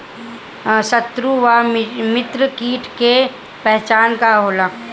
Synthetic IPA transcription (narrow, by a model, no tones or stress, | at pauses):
sət̪ɾuʋamɪt̪ɾəkiːʈʰke | pɛɦt͡ʃaːnkaɦoːlaː